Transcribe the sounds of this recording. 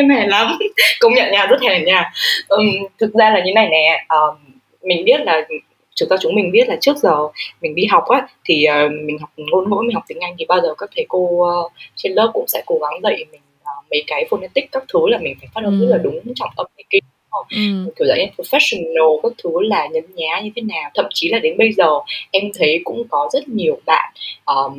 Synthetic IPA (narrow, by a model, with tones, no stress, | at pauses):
mɛ˨˩la˨˦mkə˧wŋ͡mɲə̰˧˨nɲaː˧˩zə˦˥t̚hɛ˨˩nɲaː˧˩ʔə˨˩t̪ʰɨ˨˩k̚zaː˧laː˨˩ɲɨ˨e˦na˨˩jnɛ˨˩ʔəː˨˩ | mï˨˩ŋ̟ɓi˦˥ət̚laː˨˩ | t͡ɕɨ˨˩zaː˧t͡ɕʊ˨˦ŋ͡mmï˨˩ŋ̟ɓi˦˥ət̚laː˨˩t͡ɕɨ˦˥ək̚zəː˨˩mï˨˩ŋ̟ɗi˧ɦa˨˩wk͡p̚ʔaː˨˦t̪ʰi˨˩ʔəː˨˩mï̟˨˩ɦa˨˩wk͡p̚ŋo˧nŋo̰˧˥jm˨˩˨k͡p̚t̪ï˨˦ŋʔa˧jŋ̟t̪ʰi˨˩ɓaː˧zəː˨˩kaː˦˥k̚t̪ʰe˨˦ko˧ə˧t͡ɕe˧nləː˦˥p̚kʊ̰˧˥ŋ͡msɛ̰˧˥ko˨˦ɣa˨˦ŋzə̰˧˨jmï˨˩ŋ̟ʔəː˨˩mə˨˦jkaː˨˦jfo˧nɲə˧nt̪ï˦˥k̟̚kaː˦˥k̚t̪ʰɨ˨˦laː˨˩mï˨˩ŋ̟faː˧˩jfaː˦˥hə˧nzə˦˥t̚laː˨˩ɗʊ˨˦ŋ͡mt͡ɕɔ˧wŋ͡mt̪ə˧mt̪ə˨˦ki˧˨˦ʔə˧˩jm˨˩ki˧˩wza̰ː˧˩ə˧˩t̪ʰɨ˨˦faː˦˥t̚si˧˩ŋno˧˩kaː˦˥k̚t̪ʰɨ˨˦laː˨˩ɲə˨˦ɲaː˨˦ɲɨ˧t̪ʰe˨˦naː˨˩wt̪ʰə̰˧˨mt͡ɕi˨˦laː˨˩ɗe˨˦nɓə˧jzəː˨˩ʔɛ˧mt̪ʰə˨˦jkʊ̰˧˥ŋ͡mkɔ˨˦zə˦˥t̚ɲi˨˩əwɓa̰ː˧˨nʔəː˨˩